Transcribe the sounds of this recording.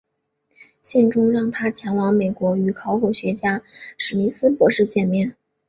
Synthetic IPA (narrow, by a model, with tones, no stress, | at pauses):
ɕɛ˥˩ŋʈ͡ʂʊ˥ŋɻɑ˥˩ŋt̪ʰa˥t͡ɕʰjɛ˧˥ŋwɑ˧˥ŋme˨˩ɪkwɔ˧˥y˨˩kʰɑ˧˥ʊkʰɔ˨˩ɕɥɛ˧˥t͡ɕja˥ʂɻ̩˨˩ni˧˥sɹ̩˥pwɔ˧˥ʂɻ̩˥˧t͡ɕjɛ˥˩nmjɛ˥˩n